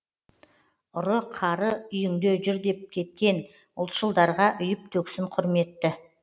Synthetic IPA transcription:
ʊɾəqʰɑɾəʏjʏŋd̪eʒʏɾd̪e̞p̚kʲʰe̞t̪̚kʲe̞n | ʊlˠt̪ʃəlˠd̪ɑɾʁɑʔʏjɪp̚t̪ʰɵksɪɴqʰʊɾme̞t̪ːɪ

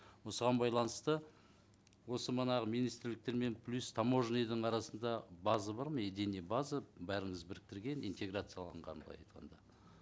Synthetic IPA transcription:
wo̞səʁɑnbɑjlˠɑnəst̪ə | wo̞səmənɑʁəmijnijst̪ɪɾlɪk̚t̪e̞ɾme̞npʰlʲust̪ʰɑmo̞ʒnejd̪əɴɑɾɑsənd̪ɑbɑzəbɑɾməed̪enebɑzəbæɾɪŋəzbɪɾɪk̚t̪ɪɾɡʲe̞nint̪ʲe̞ɡɾat̪sɨjɑlˠɑɴʁɑ̰nblˠɑ̰jɑ̰jt̪qʰɑ̰nd̪ɑ

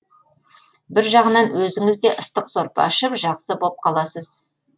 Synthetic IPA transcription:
bɪɾʒɑʁənɑnwɵzɪŋɪzd̪e̞ʔəst̪əqsoɾpɑ̰ʃəpʒɑqsəbo̞p̚qʰɑlˠɑsəz

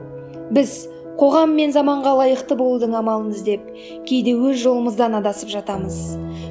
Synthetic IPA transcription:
bɪz | qʰo̞ʁɑmːe̞nzɑmɑɴʁɑlˠɑjəqt̪əbolˠd̪əɴɑmɑlˠəməzd̪e̞p̚ | kʲʰe̞jd̪e̞wɵzʒo̞lˠəməzd̪ɑnɑd̪ɑsəpʒɑt̪ɑməz

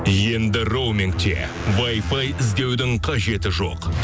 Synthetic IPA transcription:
je̞nd̪ɪro̞wmʲɪŋk̚t̪ḛ | vajfɑjɪzd̪e̞wd̪ɪŋqʰɑʒe̞t̪ɪʒo̞q

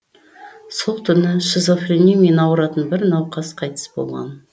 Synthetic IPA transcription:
solˠt̪ʰʏnɪʃɪzofrenʲijme̞nɑwəɾɑt̪ənbɪɾnɑwqɑsqʰɑjt̪ə̥sbo̞̰lˠʁɑ̰n

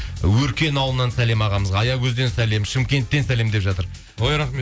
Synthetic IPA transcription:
wɵɾkʲe̞nɑwlˠənɑnsæle̞mɑʁɑməzʁɑːjɑkʲʰɵzd̪e̞nsæle̞mʃɪmkʲe̞nt̪ːe̞nsæle̞md̪e̞pʒɑt̪əɾ | ojɾɑχme

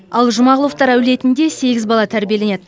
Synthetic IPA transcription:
ɑlˠʒʊmɑʁʊlˠəft̪ɑɾæwle̞t̪ɪnd̪e̞se̞ɡʲɪzbɑlˠɑt̪ʰæɾbije̞le̞ned̪

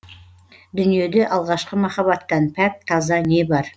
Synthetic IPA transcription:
d̪ʏnije̞d̪eʔɑlˠʁɑʃqəmɑχɑβɑt̪ːɑnpʰæk̚t̪ʰɑzɑne̞bɑɾ

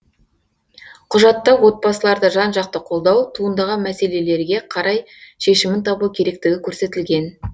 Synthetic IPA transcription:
qʰʊʒɑt̪ːɑwo̞t̪̚bɑsəlˠɑɾd̪əʒɑnʒɑq̚t̪əqʰo̞lˠd̪ɑwt̪ʰuənd̪ɑʁɑnmæse̞le̞le̞ɾɡʲe̞qʰɑɾɑj | ʃe̞ʃɪmɪnt̪ʰɑbukʲʰe̞ɾe̞k̚t̪ɪɡʲɪkʲʰɵɾse̞t̪ɪlɡʲe̞n

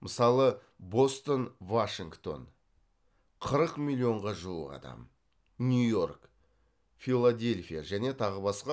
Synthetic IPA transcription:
məsɑlˠə | bo̞st̪ənvaʃiŋɡt̪o̞̰n | qʰəɾəqmʲilʲːio̞ɴʁɑʒulˠəqɑ̰d̪ɑ̰m | nʲujo̞rk | filˠːad̪ʲe̞lʲfʲijaʒæne̞t̪ʰɑʁəbɑsqɑ

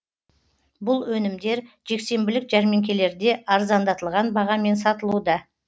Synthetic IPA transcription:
bʊlˠwɵnɪmd̪e̞ɾ | ʒ̥e̞kse̞mbɪlɪkʒæɾme̞ŋkʲe̞le̞ɾd̪e̞ʔɑɾzɑnd̪ɑt̪əlˠʁɑnbɑʁɑme̞nsɑt̪əlˠud̪ɑ

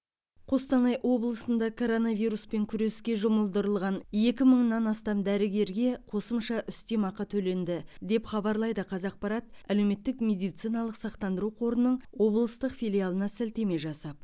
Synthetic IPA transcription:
qʰo̞st̪ɑnɑjʔwo̞blˠəsənd̪ɑkʰo̞ɾo̞nɑvijɾuspe̞ŋkʲʰʏɾe̞skʲe̞ʒʊməlˠd̪əɾəlˠʁɑnje̞kʲɪməɴnɑnɑst̪ɑmd̪æɾɪɡʲe̞ɾɡʲe̞qʰo̞səmʃɑʔʏst̪emɑqːɑt̪ʰɵle̞nd̪ɪd̪e̞pχɑbɑɾlˠɑjd̪əqʰɑzɑq̚pɑɾɑt̪̚ælewme̞t̪ːɪkmʲe̞d̪ijt̪sijnɑlˠəqsɑqt̪ɑnd̪əɾuqʰo̞ɾənːəɴwo̞blˠəst̪əqfijlʲijalˠənɑsælt̪e̞me̞ʒɑsɑp̚

